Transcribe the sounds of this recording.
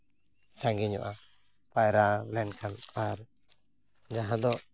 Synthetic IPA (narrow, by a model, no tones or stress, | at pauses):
saŋɡiɲɔ̰ʔa | pajɾalɛnkʰanaɾ | d͡ʒaɦãd̪ɔ